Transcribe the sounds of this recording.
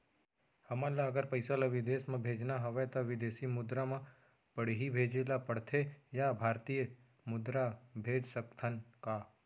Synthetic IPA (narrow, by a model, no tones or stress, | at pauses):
hɐmãlaəɡəɾpəɪsalaʋɪd̪eːsmẽbʱeːd͡ʒnaɦɐʋɛt̪oʋɪd̪eːsimʊd̪ɾamã | pəɽ̤ɦibʱeːd͡ʒelapəɽt̪ʰejabʱaːɾt̪ijə | mʊd̪ɾabʱeːd͡ʒsəkt̪ʰənka